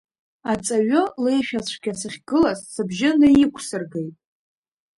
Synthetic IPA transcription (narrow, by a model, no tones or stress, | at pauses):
at͡sʼaɥole̞jʃᶣat͡ʃʷʰɡʲasɨχʲɡɨlazsɨbʒɪnɨjɪkʷʰsɨrɡejtʼ